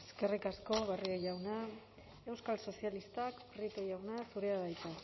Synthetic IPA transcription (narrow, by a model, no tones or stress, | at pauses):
eske̞rikasko̞βario̞jawna | e̞wskalso̞sialist̪akpɾit̪ojawnasuɾe̞aβajt̪a